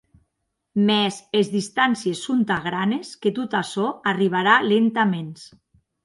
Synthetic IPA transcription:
mɛzezðist̪ansiesːont̪aɣɾanesket̪ut̪asɔariβ̞aɾalent̪amens

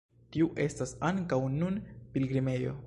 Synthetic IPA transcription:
tiuʔe̞stasaŋkawnunpilɡɾime̞jo̞̰

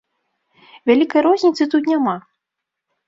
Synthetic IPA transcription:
vʲalʲikɐjɾɔzʲnʲit̪sɨt̪ut̪̬nʲama

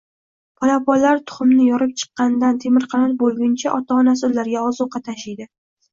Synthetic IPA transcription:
pʰɒlapɒlaɾt̪ʰʊ̥χʊmnɪjɒɾɪp̚t͡ʃʰɨ̥qːɑnɪd̪ant̪ʰe̞mɪɾqʰɑnaɾbolˠɡʲɪnt͡ʃʰaʔɒt̪ʰaɒnas̬ɪʊlːaɾɡʲaɒzʊqːɑt̪ʰaʃɪjd̪ɪ

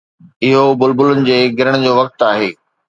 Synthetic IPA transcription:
ɪɦobʊlbʊlʊnɪ̆d͡ʑeːɡɪɾəɽ̃ʊ̆d͡ʑoːʋɐk̚t̪aːɦeː

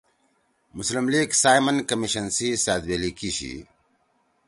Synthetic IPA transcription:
muslimliːɡsaːjmɐnkɐmiɕɐnsisaːd̪belikiɕḭ

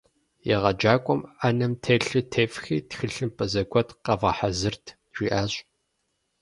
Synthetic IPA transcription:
jɛʁɐd͡ʒaːkʷʼɔmanɐmtʰeːɬɨtʰeːfxiːtxɨɬɨmpʰʼɐzɐɡʷʰɔtqɐvɐħazɨrtʰ | ʒ̥ʷiːʔaːɕʼ

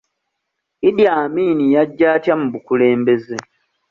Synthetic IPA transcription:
idjaːmiːnijaɟːaːtjamuβukule̞ːmbe̞ze

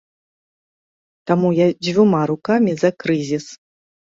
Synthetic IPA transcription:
t̪amujad͡zʲvʲumaɾukamʲizɐkɾɨzʲis

